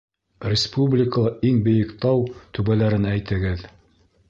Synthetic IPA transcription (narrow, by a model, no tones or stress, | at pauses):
rʲɪspublʲɪkəlˠɑʔiŋbɵ̆jɘ̆kt̪ɑwt̪ʉbælæɾɘnæjt̪ɘ̆ɡɘð